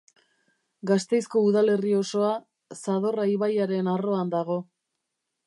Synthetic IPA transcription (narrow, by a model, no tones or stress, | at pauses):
ɡast̪e̞jsko̞uðale̞rio̞so̞a | saðo̞raiβajaɾe̞naro̞and̪aɣ̞o̞